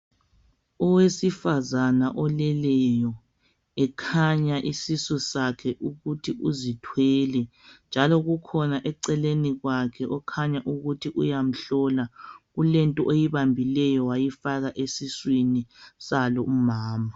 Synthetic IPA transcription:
ɔwesifazanaʔɔlɛlɛjɔ | ɛkʰaɲaʔisisɔsakʰɛʔuɣutʰiʔuzitʰwɛːlɛ | nd͡ʒʱalɔɣukʰɔnaʔɛǀɛleniɣwakʰɛʔɔkʰaɲaʔuɣutʰiʔujam̩ɬɔlaɣulɛntʼɔʔejiβambʱilɛjɔwajifaɣaʔesiswinisalɔumaːma

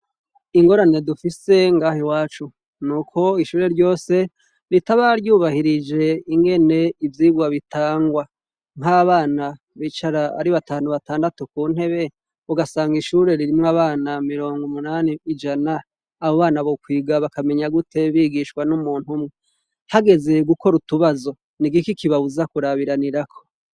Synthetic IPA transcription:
iŋɡo̞ɾane̞dufise̞ŋɡaːhewaːt͡ʃu | nuːkʰo̞iʃuːɾe̞ɾɟo̞ːse̞ | ɾitaβaɾjuːβahiɾid͡ʒe̞iŋɡe̞ne̞ivjiɡwaβitʰaːŋɡwa | ŋɦaːβaːna | βit͡ʃaɾaa̰ɾiβataːnuβataːndatukuːn̥he̞βe̞ | βoɡasaːŋɡiʃuɾe̞ɾiɾimŋaβaːnamiɾo̞ːŋɡumunaːniːd͡ʒanaː | βo̞βaːnaβokwiːɡaβakame̞ɲaɡutʰe̞βiːɡiʃkwanumuːn̥humŋe | haɡe̞ze̞ɡuko̞ɾutuβazo̞ | niɡikikiβaβuzakuɾaβiɾaniɾakʰo̞

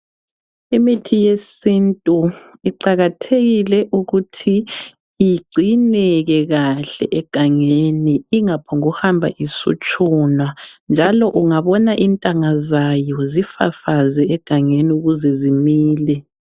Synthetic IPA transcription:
imitʰijesintʼuiǃaɣatʰeɣilɛʔuɣutʰi | iɡ͡ǀʱinɛɣɛɣaɬɛ̰ʔɛɡ̥ʱaŋeniiŋapʰɔŋuhambʱa̰ʔisṵt͡ʃʼunwand͡ʒʱalɔʔuŋaβɔnaʔintʼaŋazajɔzifa̰fazɛɛɡ̥ʱaŋeniuɣuzɛzimiːlɛ

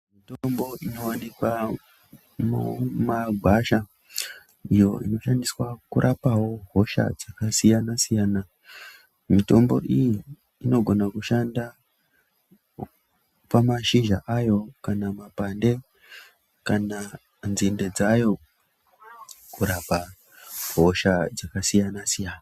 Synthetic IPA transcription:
mitombo̞ino̞wanikwa | mumaɡʱaʃa | ijo̞̰ino̞ʃandiswakuɾʔapawo̞ɦo̞ʃa̰d͡zakasijanasijaːna | mito̞mbo̞̰ʔijiː | no̞ɡʱo̞nakuʃanda | pamaʃiʒaʔajo̞kanamapande | kana | nzinde̞d͡zajo̞ | kuɾapa | ɦo̞ʃad͡zakasijanasijaːna

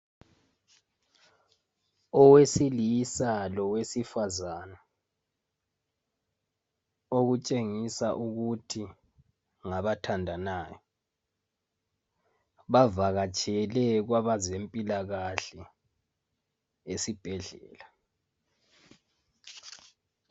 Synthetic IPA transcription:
ɔwesilisalɔwesifazaːna | oɣut͡ʃʼeŋisaʔuɣutʰi | ŋaβatʰandʱanaːjɔ | βavaɣat͡ʃʼʰɛlɛɣwaβazempʼilaɣaɬɛ | esib̥ʱɛɮɛ̰ːla

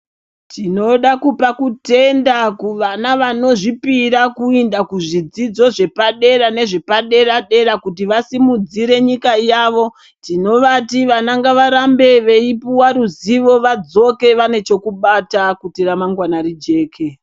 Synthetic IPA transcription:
tʰino̞ɗakupakute̞ndakuʋanaʋano̞ʐipiɾakuindakuʐid͡zid͡zo̞ʐe̞paɗe̞ɾane̞ʐepaɗe̞ɾaɗe̞ɾakut̬iʋasimud͡ziɾe̞ɲikajaːʋo̞ | tino̞ʋatiʋanaŋɡaʋaɾambe̞ʋe̞ipuwaɾuziʋo̞ʋad͡zo̞ke̞ʋane̞t͡ʃo̞kuɓatakutiɾamaŋɡwanaɾid͡ʒe̞ːkʰe̞

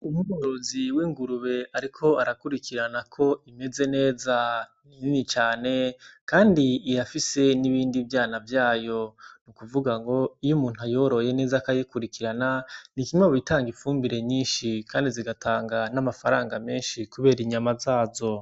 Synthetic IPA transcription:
umuɡoɾo̞ziwiŋɡuɾuβe̞aɾikʰo̞aɾakuɾikʰiɾanakʰo̞ime̞ze̞ne̞ːza | init͡ʃaːne̞kaːndiːjafise̞niβiːndivjaːnavjaːjo̞nukuvuɡaŋɡo̞ijumuːn̥uajoɾo̞je̞ne̞ːzakajikuɾikiɾananikimweβitaːŋɡifuːmbiɾe̞ɲiːnʃikaːndiziɡatʰaːŋɡanamafaɾaːŋɡame̞ːnʃikuβe̞ːɾiɲamazaːzo̞

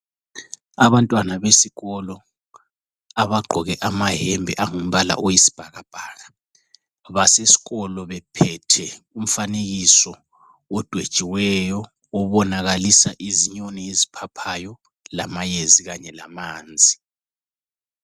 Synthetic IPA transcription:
aβantʼwanaβesiɣɔlɔ | aβaɡ͡ǃʱɔɣɛʔamaɦɛmbʱɛʔaŋum̩βala̰ʔojisi̥b̥ʱaɣab̥ʱaːɣa | βasesi̥ɣɔlɔβɛpʰɛtʰɛ | um̩faneɣisɔ | ɔd̥ʱwed̥t͡ʃʼiwɛjɔ | ɔβɔnaɣalisaʔiziɲonɛezipʰapʰajɔ | lamajeziɣaɲɛlamaːnd͡zʱi

